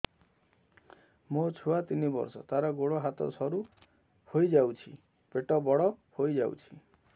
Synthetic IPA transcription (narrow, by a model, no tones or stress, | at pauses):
mot͡ʃʰuat̪inibɔ̰ɾsɔ̰t̪aɾɔɡoɽɔɦat̪ɔ̰sʰɔɾu | hojd͡ʒawt͡ʃʰi | peʈɔbɔɽɔhojd͡ʒaw̰t͡ʃʰi̥